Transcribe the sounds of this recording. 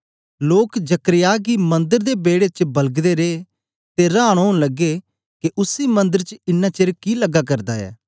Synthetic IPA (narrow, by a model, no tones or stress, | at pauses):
loːkd͡ʒəkɾɪjaːkimɐ̃nd̪əɾd̪eːbeːɽet͡ʃbɐlɡd̪eːɾeː | t̪eɾaːɽ̃ɦoːɽ̃ləɡːe | keʔʊsiːmɐ̃nd̪əɾt͡ʃɪnːãːt͡ʃeɾkiləɡaːk̬ɐɾd̪aːɛ̰ː